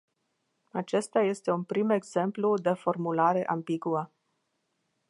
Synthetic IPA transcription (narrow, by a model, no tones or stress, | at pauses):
at͡ʃe̞st̪aje̞st̪e̞unpɾime̞ɡz̥e̞mplud̪e̞fo̞rmulaɾe̞ʔambiɡuə